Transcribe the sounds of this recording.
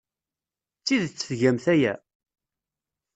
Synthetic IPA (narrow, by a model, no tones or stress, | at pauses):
t͡sːiðt͡sːəfʝæmθæjæ